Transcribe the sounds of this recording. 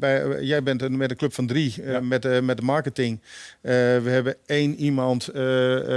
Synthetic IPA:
bɛjɛjbɪntmɛtəkløpfɔndriəmɛtəmɛt̚dəmaɹkətɪŋ | ʋəhɛbəeːnimɔnt

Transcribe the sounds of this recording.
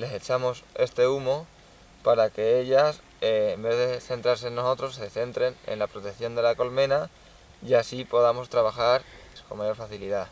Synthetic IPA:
le̞se̞t͡ʃamo̞se̞st̪e̞umo̞ | paɾake̞e̞ʎasː | mbe̞ðe̞θe̞nt̪ɾaɾsenːo̞so̞t̪ɾo̞sːe̞θe̞nt̪ɾe̞nḛnlapɾo̞t̪eθjo̞nd̪e̞lako̞lmẽ̞na | iasipo̞ðamo̞st̪ɾaβaxaɾko̞mːaʝo̞ɾfaθiliða

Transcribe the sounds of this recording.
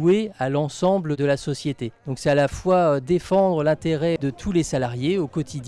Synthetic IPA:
ealɑ̃sɑ̃bləd̪əlasɔsjet̪e̥ɔ̃ksɛalafwaød̪efɑ̃d̪ʁəlɛ̃t̪eʁɛd̪ət̪ʰulesalaʁjeokɔt̪ʰid̪

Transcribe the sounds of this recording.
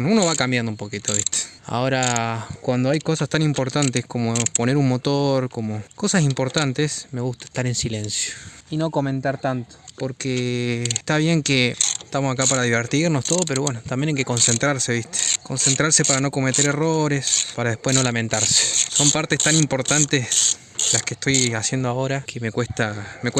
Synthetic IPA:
nuno̞βakambjand̪umpo̞kit̪o̞βist̪ʰe̥a̰o̞ɾakwand̪o̞ajko̞sast̪animpo̞ɾt̪ant̪esko̞mo̞po̞ne̞ɾunmo̞t̪oɾko̞mo̞ko̞sas̬impoɾt̪ant̪e̞sme̞ɣust̪ae̥ht̪aɾe̞nsile̞nsjoino̞ko̞mẽ̞nt̪aɾt̪ant̪o̥po̞ɾkeːst̪aβ̞je̞ŋkeeht̪amosakapaɾaðiβeɾt̪iɾno̞st̪o̞ðopeɾoβwenot̪ambjenajke̞ko̞nse̞nt̪ɾaɾse̞βiht̪e̥ko̞nse̞nt̪ɾaɾse̞paɾano̞ko̞met̪e̞ɾeroɾe̞spaɾaðepweɦno̞lame̞nt̪aɾse̥so̞mpaɾt̪est̪animpo̞ɾt̪ant̪es | laskeht̪o̞jasjend̪oao̞ɾakemekwest̪amekw

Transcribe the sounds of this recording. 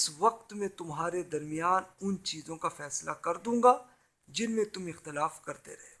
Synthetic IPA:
ɪsʋɐq̚t̪mẽt̪ʊmɦaːɾed̪ɐɾmijaːnʊnt͡ʃiːzõkafɛːslakɐɾd̪ũːŋɡaː | d͡ʒɪnmẽt̪ʊmɪxt̪ɪlaːfkɐɾt̪ḛɾɐɦe

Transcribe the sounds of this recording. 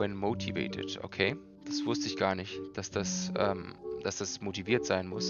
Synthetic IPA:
ɛnmoːtʰivḛːtʰɪ̰tʔo̰kʰeː | d̥asv̥ʊstəɪçɡ̥aːɐnɪçtd̥asd̥asʔɛ̰ːmd̥asd̥asmotiviːɐtz̥aɪnmʊs

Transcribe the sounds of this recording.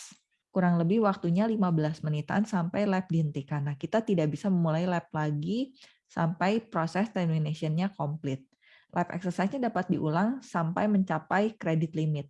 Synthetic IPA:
kuɾaŋləbɪhwak̚t̪uɲalimabəlasmənit̪a̰ːnsampajlɛp̚diɦənt̪ikanakit̪at̪idaʔbisaməmulajlɛp̚laɡi | sa̰mpajpɾosɛst̪ɛminasiənɲakomplɪt̪̚ | lʔɛpɛ̰ksəsajsɲadapat̪̚diʔulaŋsampajməɲt͡ʃapajkɾedɪt̪limɪt̪̚

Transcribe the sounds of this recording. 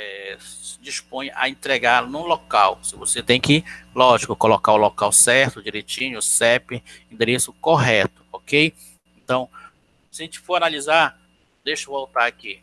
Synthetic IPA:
ɛsɪd͡ʒispõj̃a̰ẽt̪ɾeɡaɾnũlokawsɪvoset̪ẽj̃kɪlɔʒikʊkolokaʊlokawsɛɾt̪ʊd͡ʒiɾet͡ʃĩɲʊsɛpɪ̃ĩnd̪eɾesʊkoɦɛt̪ʊ̥ɔkej | ẽnt̪ɐ̃w̃ | sɪaɐʒẽnt͡ʃɪ̥foɾanalizaɾ | d̪ejʃʊvowt̪aɾaki

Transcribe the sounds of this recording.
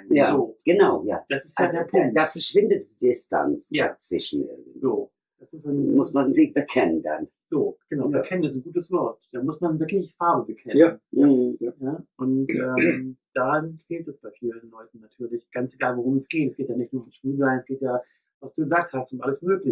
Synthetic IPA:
jaːzoːɡ̥ənaʊja̰ːd̥asɪstjadeːɐpʰʊŋt̚d̥aːfɛɐʃv̥ɪndət̚d̥iːdɪstʰa̰nt͡sjaːt͡sv̥ɪ̰ʃn̩ɪ̰ɐviz̥oː | d̥asɪstanmʊsmanzɪçb̥əkʰɛnənda̰n | z̥oːɡ̥ənaʊbɛkʰɛnənɛsn̩ɡuːtəsv̥ɔɐtd̥aːmʊsmanvɪɐklɪçfaɐbəbəkʰɛnn | nəʔʊntɛːmd̥aːfeːltɛsb̥aɪfiːɐdɪnlɔʏtn̩natʰyːɐlɪçɡ̥ant͡seɡaːlvoʁ̞ʊmɛsɡ̥eːtɛsɡ̥eːtjaːnɪçtnuːɐʊmʃpiːlzaɪnɛsɡ̥eːtjaː | vasd̥uːɡəzaːk̚thastʊmʔaləsmøːklɪ

